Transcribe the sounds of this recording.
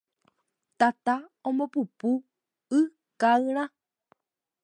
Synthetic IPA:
t̪at̪aõmbopupu | ɨ | kaɨɾã

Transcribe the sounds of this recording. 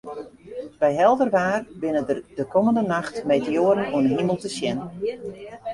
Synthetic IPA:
b̥ɛjɦɛlˠdərʋaːrbɪnədəkɔməndənaxtmejtəoːəɾənɔəɦiməlˠtəsjɛnə

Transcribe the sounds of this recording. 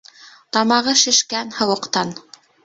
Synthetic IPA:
t̪ɑmɑʁɤʃɘ̆ʃkænhɤ̆wɤ̆qt̪ɑn

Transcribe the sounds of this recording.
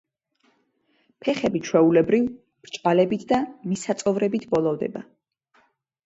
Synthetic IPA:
pʰɛχɛbit͡ʃʰwɛulɛbɾiv | b̥ɾt͡ʃʼvalɛbit̪ʰd̪amisat̪sʼɔvɾɛbit̪ʰbɔlˠɔvd̪ɛ̰ba

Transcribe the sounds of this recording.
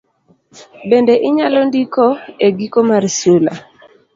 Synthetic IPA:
bendeʔɪɲalɔndikɔeɡikomarsula̰

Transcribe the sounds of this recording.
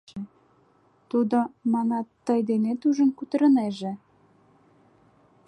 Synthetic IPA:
e | t̪ud̪omɑnɑt̪ːəjd̪enet̪uʒənkut̪ə̆ɾə̆neʒĕ

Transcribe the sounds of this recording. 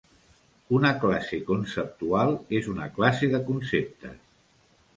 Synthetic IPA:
unəklasekunsəp̚t̪ualˠezunəklaseðəkunsep̚t̪ə̰

